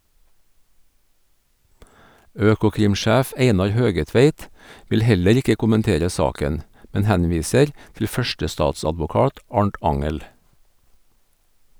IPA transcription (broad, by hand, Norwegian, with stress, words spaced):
ˈøːkʊkɾɪmˌʃæːf ˈeɪnɑɾ ˈhøːɡəˌtʋeɪt ˈʋɪl ˈhɛləɾ ˈɪkə kʊmənˈteːɾə ˈsɑːkən ˈmɛn ˈhænˌʋiːsəɾ tl̩ ˈfœʃʈəˌstɑːtsɑdʋʊˌkɑːt ˈɑɳʈ ˈɑŋəl